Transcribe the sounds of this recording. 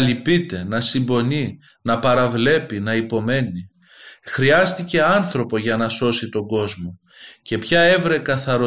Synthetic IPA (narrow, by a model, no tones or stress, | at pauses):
lipit̪e̞nɐsimbo̞ni | nɐpɐɾɐvle̞pinɐipo̞me̞ni | xɾiɐst̪ice̞ɐnθɾo̞po̞ʝɐnɐso̞sit̪o̞ɡo̞zmo̞ | ce̞pçɐe̞vɾe̞kɐθɐɾo